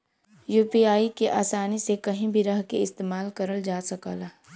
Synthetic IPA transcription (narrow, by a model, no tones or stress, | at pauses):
juːpiaːikeʔaːsaːnisekɐɦĩbʱiɾɐɦkeɪst̪eːmaːlkɐɾəld͡ʒaːsɐka̰ːlaː